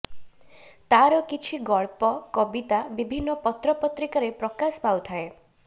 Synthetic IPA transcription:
t̪aɾɔkit͡ʃʰiɡɔɭpɔkɔbit̪abibʱinːɔpɔt̪ɾɔpɔt̪ɾikaɾepɾɔkasɔpawt̪ʰae

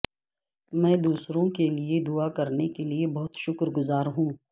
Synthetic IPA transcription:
mɛ̃ːd̪uːsɾõkelied̪uakɐɾnekeliebɐɦʊt̪ʃʊkɾɡʊzaːɾɦũː

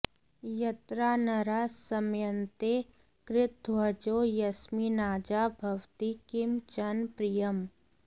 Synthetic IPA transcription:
jɐt̪ɾaːnɐɾaːssɐmjə̃nt̪e | kɾɪt̪̚ɐd͡ʒoːjɐsminaːd͡ʒabʱɐwt̪ikɪmt͡ʃɐnpɾijəm

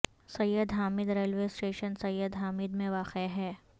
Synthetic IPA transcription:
sɐjːəd̪ɦaːmɪd̪ɾeːlʋeːsʈeːʃənsɐjːəd̪ɦaːmɪd̪mẽʋaːqeɦɛː

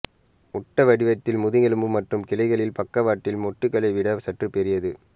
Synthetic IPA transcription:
ʊʈːɐʋɐɽɪʋɐt̪ːɪlmʊðɪŋɛɭɯmbɯmɐʈrɯmkɪlɐɪɣɐɭɪlpɐkːɐʋaːʈːɪlmɔʈːɯkːɐɭɐɪʋɪɽɐsɐʈrɯpɛɾɪjɐðɯ

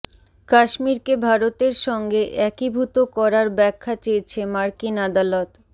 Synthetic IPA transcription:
kaʃmiɾkebʱaɾot̪eɾʃɔŋɡeʔɛkibʱut̪okɔɾaɾbɛkʰːat͡ɕejet͡ɕʰemaɾkinad̪alot̪

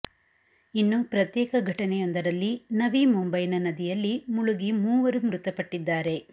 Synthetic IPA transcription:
inːupɾɐt̪jɛːkɐɡʱɐʈɐnɛjond̪ɐɾɐlːinɐʋimumbɐjnɐnɐd̪ijɐlːimuɭuɡimuːʋɐɾumɾut̪ɐpɐʈːid̪ːaːɾe̞

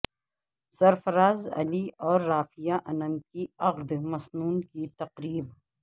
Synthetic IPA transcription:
sɐɾfɐɾaːzɐ̰liɔːɾːaːfijaʔɐnɐ̃mkiɐɣd̪mɐsnuːnkit̪ɐqɾiːb

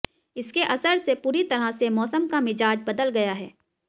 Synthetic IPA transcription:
ɪskeʔɐsəɾsepuːɾit̪ɐɾasemɔːsəmkamɪd͡ʒaːd͡ʒbɐd̪əlɡɐjaɦɛ̰ː

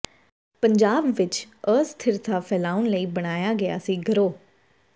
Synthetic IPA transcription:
pəɲd͡ʒaːbʋɪt͡ʃəːst̪ʰɪɾt̪ʰaːpʰɛːlaːʊnləiːbəɽ̃aːjaːɡəa̰ːsĩːɡʱəɾoː

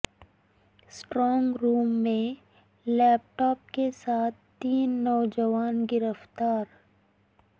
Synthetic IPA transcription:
sʈɾɔːŋɡɾuːmːẽ | lɛːp̚ʈɔːp̚kesaːt̪̚ʰt̪iːnːɔːd͡ʒəʋaːnɡɪɾəft̪aːɾ

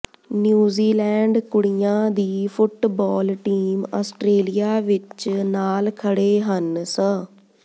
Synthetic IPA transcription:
njuːziːlɛːɳɖkʊɽijãːd̪iːfʰʊʈbɔːlʈiːmɔ̰ːsʈɾeːlijaːʋɪt͡ʃnaːlkʰəɽeːɦənsə

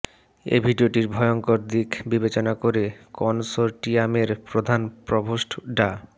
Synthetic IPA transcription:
ḛbʱiɖioʈiɾbʱɔjoŋkoɾd̪ikʰbibet͡ɕonakoɾekɔnsoɾʈiameɾpɾod̪ʱanpɾɔbʱoʃʈʰɖa

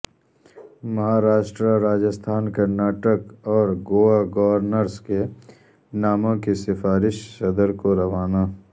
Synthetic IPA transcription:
mɐɦaːɾaːʃʈɾaɾaːd͡ʒəst̪ʰaːnkɐɾnaːʈəkɔːɾɡoːaɡɔʋəɾnəɾske | naːmõkisɪfaːɾɪʃsɐd̪əɾkoɾɐʋaːnaː

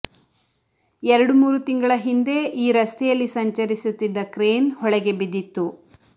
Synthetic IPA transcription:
ɛɾɐɽumuːɾut̪iŋɡɐɭɐɦind̪e̞ʔiːɾɐst̪ʰɛjɐlːisɐɲt͡ʃɐɾisut̪ːid̪ːɐkɾeːnhɔɭɛɡe̞bid̪it̪ːu

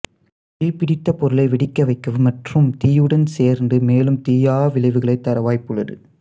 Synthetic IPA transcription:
iːpɪɽɪt̪ːɐpɔɾɯlɐɪʋɪɽɪkːɐʋɐɪkːɐʋɯmɐʈrɯmt̪iːjɯɽɐnseːɾnɖɯmeːlɯmt̪iːjaːʋɪlɐɪʋɯɣɐɭɐɪt̪ːɐɾɐʋaːjpːɯɭɐɾɯ̰

